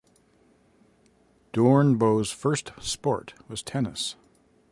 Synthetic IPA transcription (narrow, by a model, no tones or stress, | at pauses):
d̥ɔɹnboʊz̥fɜ˞stspɔ̰ɹt̚wʌz̥tʰɛnəs